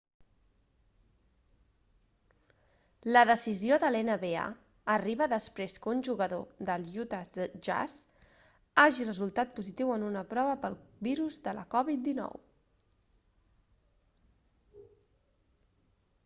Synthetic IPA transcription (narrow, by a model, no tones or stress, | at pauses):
ləðəsizioðəlenəβea̰ | əriβəðəspɾeskunʲʒuɣəðoðəlˠjut̪aʒa̰z | aʒirəzulˠt̪at̪̚puzit̪iwənunəpɾɔβəpəlˠβiɾuzðələ̰kɔβit̪̚d̪inɔ̰w